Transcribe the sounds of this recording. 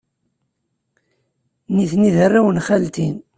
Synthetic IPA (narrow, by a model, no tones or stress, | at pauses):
niθniðərːawənχælt̪in